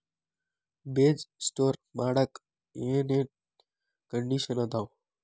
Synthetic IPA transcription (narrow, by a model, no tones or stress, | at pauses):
beːd͡ʒsʈoːɾmaːɽək | ẽnẽː | kəɳɖiːʃənət̪aːo